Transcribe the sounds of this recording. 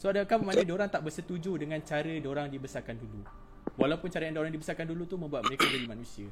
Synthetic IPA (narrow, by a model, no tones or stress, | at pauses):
soadakabəmanə̃doɾaŋt̪aʔbəsət̪ud͡ʒudəŋãnt͡ʃaɾədoɾaŋdibəsarkandulu | walawpʊnt͡ʃaɾəjandaoɾaŋdibəsarkandulut̪umə̃mbuat̪̚məɾekadaɾimanũsia